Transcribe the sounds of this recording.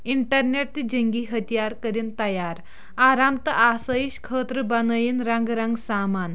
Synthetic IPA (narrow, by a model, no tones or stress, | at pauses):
iɳʈəɾneʈ̚t̪id͡ʑəŋɡiːɦət̪ijaɾkəɾiːnt̪ɐjaɾ | aɾamt̪ɐʔasəjiɕkʰəːt̪ɾəbɐnəjinɾɐŋɡɾɐŋɡsaman